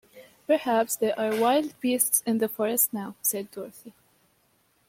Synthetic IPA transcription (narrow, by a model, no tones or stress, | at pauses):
pə˞hæpsðɛʔaɹwaɪlˠd̚bistsɪ̃nðəfɔɹɨstnaʊsɛdːɔɹθi